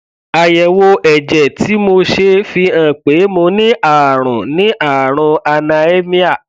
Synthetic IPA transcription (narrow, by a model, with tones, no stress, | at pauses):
a˨jɛ˨wo˧ɛ˨d͡ʒɛ˨ti˨˦mo˧ʃe˧fi˧ã˨k͡pe˨˦mo˧nĩ˦ʔaː˦˨ɾ̃ɔ̃˨nĩ˨˦ʔa˦˨ɾ̃ɔ̃˧a˧nã˧e˦mĩ˦a˦˨